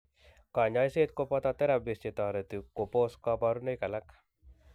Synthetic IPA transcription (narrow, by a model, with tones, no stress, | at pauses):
ka˨ɲajse˦t̪kopat̪at̪e˦ɾabist͡ʃe˨t̪a˨ɾe˨t̪iko˨poskaba˧ɾu˦ne˦jka˨la˦k